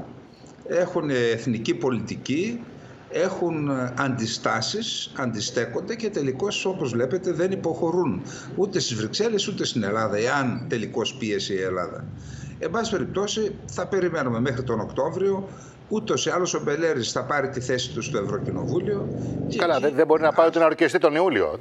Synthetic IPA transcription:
e̞xuneːθnicipo̞lit̪ici | e̞xunɐnd̪ist̪ɐsisɐnd̪ist̪e̞ko̞nd̪e̞ce̞t̪e̞liko̞so̞po̞zvle̞pe̞t̪e̞ðe̞nipo̞xo̞ɾun | ut̪e̞st̪izvɾikse̞le̞sut̪e̞st̪ine̞lɐðɐe̞ɐnt̪e̞liko̞spie̞siie̞lɐ̰ðɐ̰ | embɐssi̥pe̞ɾip̚t̪o̞si | θɐpe̞ɾime̞nume̞me̞xɾit̪o̞no̞kt̪o̞vɾio̞ | ut̪o̞siɐlo̞so̞be̞le̞ɾisθɐpɐɾit̪iθe̞si̥t̪ust̪oe̞vɾo̞cino̞̰vulio̞cekɐlɐðebo̞ɾinɐpɐiot̪enɐɾcist̪it̪o̞niulio̞̰

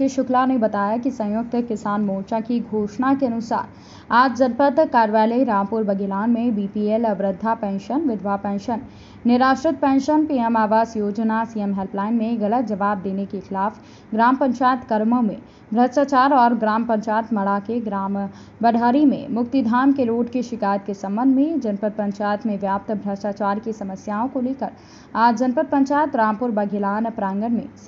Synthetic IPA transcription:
eʃʊklanebɐt̪aːjakisɐ̃jʊk̚t̪kɪsaːnmoːt͡ʃakiɡʱoːʃnakeɐnʊsa̰ːɾ | aːd͡ʒd͡ʒɐnpət̪kaːɾʋaːləiɾãːmpuɾbɐɡilaːnmẽbiːpielɐʋɾɪd̪ʱːapɛ̃ːnʃənʋɪd̪ʱʋapɛ̃ːnʃənː | ɪɾaːʃʈɾɪt̪̚pɛ̃ːnʃənpiːɛmaːʋaːsjoːd͡ʒnasiːemɦɛlplaːɪnmẽɣɐlət̪̚d͡ʒɐʋaːb̚d̪eːnekexɪlaːf | ɡɾaːmpə̃ɲt͡ʃaːjət̪kəɾməmḛ̃ | bʱɾəʃʈaːt͡ʃaːɾɔːɾɡɾaːmpə̃ɲt͡ʃaːjət̪mɐɽakeɡɾaːm | bəɖʱaːɾimḛ̃mʊkt̪id̪ʱaːmkeɾoːɖkiʃɪkaːjət̪̚kesɐ̃mbə̃nd̪ʱmẽd͡ʒɐnpəɾ̚pə̃ɲt͡ʃaːjət̪mẽʋjaːp̚t̪bʱɾɐʈaːt͡ʃaːɾkisɐməsjaːõkoleːkəɾ | aːd͡ʒd͡ʒɐnpət̪̚pə̃ɲt͡ʃaːjət̪ɾaːmpʊɾbɐɡʱɪlaːnpɾãːŋɡənmḛ̃

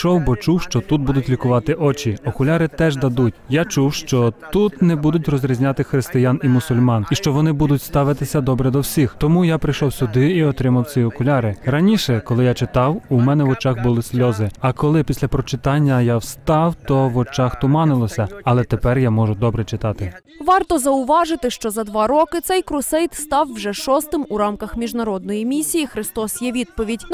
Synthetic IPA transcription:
ʃɔwbɔt͡ʃuwʃt͡ʃɔt̪ut̪̚bud̪ʊtʲlʲikʊʋɑt̪ɪʔɔt͡ʃiɔkʊlʲɑɾɪt̪ɛʒd̪ɐd̪utʲjat͡ʃuwʃt͡ʃɔt̪ut̪nɛbud̪ʊtʲrɔzʲɾʲizʲnʲat̪ɪxɾɪst̪ɪjanimʊsʊlʲmɑniʃt͡ʃɔʋɔnɪbud̪ʊtʲst̪ɑʋɪt̪ɪsʲɐd̪ɔbɾɛd̪ɔwsʲixt̪ɔmujapɾɪjʃɔwsʲʊd̪ɪiɔt̪ɾɪmɐwt͡sʲiɔkʊlʲɑɾɪɾɐnʲiʃɛkɔlˠɪjat͡ʃɪt̪ɑwumɛnɛʋɔt͡ʃaxbʊlˠɪsʲlʲɔzɪɐkɔlˠɪpʲisʲlʲɐpɾɔt͡ʃɪt̪ɑnʲːɐjawst̪ɑwt̪ɔʋɔt͡ʃɑxt̪ʊmɑnɪlˠɔsʲɐɐlˠɛt̪epɛrjamɔʒʊd̪ɔbɾɛt͡ʃɪt̪ɑt̪ɪ | ʋɑrt̪ɔzɐʊʋɑʒɪt̪ɪʃt͡ʃɔzɐd̪ʋɑɾɔkɪt̪sɛjkɾʊsɛjt̪st̪ɑwːʒɛʃɔst̪ɪmuɾɑmkɐxmʲiʒnɐɾɔd̪̚nɔjimʲisʲijixɾɪst̪ɔsjɛʋʲid̪̚pɔʋʲidʲ

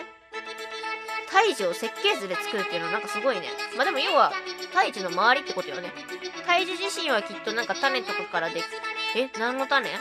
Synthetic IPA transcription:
t̪ʰaiʑio̞se̞kːe̞ːzɨɾet͡sɨ̥kɯ̟ɾɯ̟t̪ːeɯnnãŋkasɨɡo̞ine̞̰mad̪e̞mo̞joːβat̪aiʑino̞maβ̞aɾʲit̪ːe̞ko̞t̪o̞jone̞ | t̪aiʑɨʑiɕĩɰ̃β̞akʲit̪ːo̞nãŋkat̪ane̞t̪o̞kakaɾad̪e̞kʲi̥enãnːo̞t̪anḛ

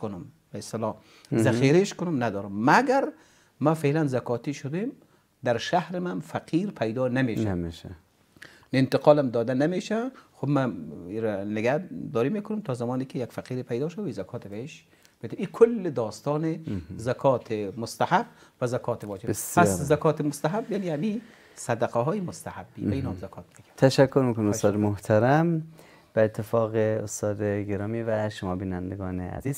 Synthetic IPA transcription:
kʊnʊm | beɪst̪ɪlɔ | zaxiːɾeʃkʊnʊmnad̪ɔːɾʊmːaɡaɾ | mafeːlanzakʰɔːt̪iʃʊd̪em | d̪aɾʃahɾɪmanfaqʰiːɾpʰajd̪ɔːnameːʃaeʃ | nɪnt̪ɪqʰɔːlamd̪ɔːd̪anameːʃaxʊbmaiɾanɪɡad̪ɔːɾimeːkʊnʊmt̪ʰɔːzamɔːnikɪjakfaqiːɾipʰajd̪ɔːʃawizakʰɔːt̪ʰɪbaiʃ | b̥ed̪eiːkʰʊlːed̪ɒːst̪ɒːnezakʰɒːt̪ʰemʊst̪ahabvæzakʰɒːt̪ʰevɒːd͡ʒebspʰaszakʰɒːt̪ʰemʊst̪aɦabːeniami | sad̪aqæɦɔːjemost̪ahabːiːbæiːnɔmzakʰɒːt̪̚meɡt̪ʰæʃækʰːoɾmiːkonmost̪ɔːd̪moht̪ʰæɾæm | b̥æet̪ʰːefɒːɣeost̪ɒːd̪eɡeɾɒːmiːvæʃomɒːbiːnænd̪eɡɒːnḛæ̰ziːz

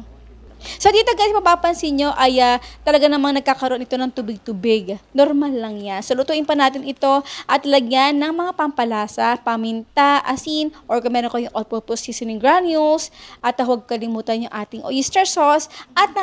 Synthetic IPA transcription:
sod̪it̪ɐɡɐʔsmpɐpaːpɐnsinɲo̞ʔɐjat̪ɐlɐɡanɐmaŋnɐɡ̚kaːkɐɾoʔonɪt̪o̞nɐŋt̪ubɪɡ̚t̪ubɪɡnoɾmalːɐŋɲansolʊt̪uʔɪnpɐnaːt̪ɪnɪt̪o̞ʔɐt̪lɐɡɲanːɐŋmɐŋapɐmpɐlaːsɐpɐmɪnt̪aʔɐsinʔoɹkomɛːɾoŋkɐjʊŋʔopoposisɪnɪŋɡɹanjulsʔɐt̪ɐɦwɐɡ̚kɐlɪmuːt̪ɐnjʊŋʔaːt̪ɪŋʔoʔist̪ɛɹsosʔɐt̪̚ɐ

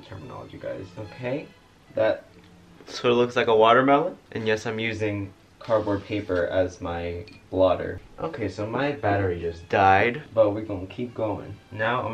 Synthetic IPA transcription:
tʰɜ̰˞mənɑ̰lˠə̰d͡ʒiɡa̰ɪz̥oʊkʰeɪ | ðæt̚ | sɔlʊkslaɪkəwɔɾə˞mɛlˠə̃nʔɨ̃njɛsãɪ̃mjʉzɪ̃ŋ | kʰɑɹbɔɹ̚pʰeɪpə˞ʔɨzmaɪb̥lɔɾə̰˞ʔoʊkʰeɪsoʊmaɪbæɾə˞id͡ʒʌsd̥aɪd̚b̥ʌt̚wiwõʊ̃nkʰip̚ɡ̥oʊɪ̰̃ŋnaʊã̰

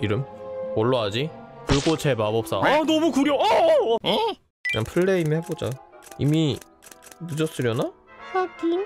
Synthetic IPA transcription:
iɾɯmwʌɭːoad͡ʑikɯɭɡot͡ɕʰebabʌp̚s͈anɔmukuɾjoʌ | kɯɲa̰npʰɯɭːeimihe̞bod͡ʑa̰ḭmi | nɯd͡ʑʌs͈ɯɾjʌnasadi

